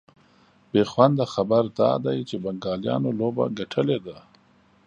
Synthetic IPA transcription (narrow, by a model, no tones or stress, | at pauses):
b̥exwand̪axabaɾd̪ɑ̰d̪ajt͡ʃebaŋɡɑːljɑ̰noloba̰ɡaʈʰəled̪a